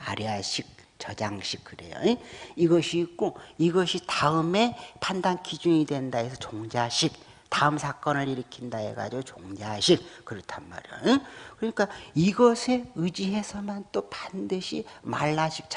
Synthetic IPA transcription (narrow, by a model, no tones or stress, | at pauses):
a̰ɾjʌɦaɕʰik̚ | t͡ɕʌd͡ʑaŋɕʰik̚kɯɾe̞̰jo̰eiɡʌɕʰiːk̚k͈oiɡʌɕʰitaɯme̞pʰandankid͡ʑuɲidwe̞ndaesʰʌt͡ɕoŋd͡ʑaɕʰik̚ | taɯmsʰak͈ʌnɯɾiɾɯkʰindaḛɡa̰d͡ʑiɡot͡ɕoŋd͡ʑaɕʰik̚kɯɾʌtʰanma̰ɾjo̰ekɯɾʌɲik͈aiɡʌsʰe̞ɯd͡ʑiɦe̞sʰʌmant͈opandɯɕʰima̰ɭːaɕʰik̚t͡ɕ